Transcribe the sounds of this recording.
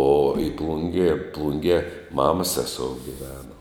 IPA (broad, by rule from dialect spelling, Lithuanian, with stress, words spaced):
oː ɪ ˈplˠʊŋʲɡʲeː ˈplˠʊŋʲɡʲiɛ ˈmɑːmɐs ˈsʲæːsoːʊ ɡʲɪˈʋʲæːnoː